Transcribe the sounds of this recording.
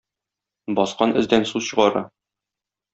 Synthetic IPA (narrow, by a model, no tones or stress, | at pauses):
bɒsqɑnʔɘ̆zd̪ænsuzɕɤ̆ʁɑɾɤ̰